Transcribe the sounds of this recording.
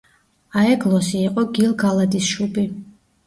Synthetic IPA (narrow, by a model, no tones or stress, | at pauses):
aɛɡlˠɔsiːqʼɔɡilˠɡalˠad̪isʃubi